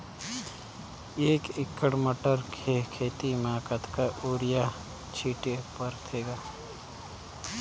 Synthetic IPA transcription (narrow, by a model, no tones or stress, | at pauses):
eːkɪkːəɽməʈəɾkʰekʰeːt̪imaːkət̪kaʔoːɾɪja | t͡ʃʰiːʈepəɾt̪ʰeːɡaː